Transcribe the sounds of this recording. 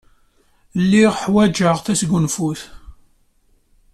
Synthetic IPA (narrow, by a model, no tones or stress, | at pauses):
lːiʁħwæd͡ʒəʁθæsɡʷunfuθ